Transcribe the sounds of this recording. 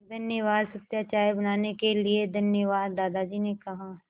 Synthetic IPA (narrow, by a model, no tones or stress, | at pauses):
d̪ɐnjəʋaːd̪sɐt̪jaːt͡ʃaːjbɐnaːnekelied̪ʱɐnjəʋaːd̪ːaːd̪ad͡ʒiːnekɐɦa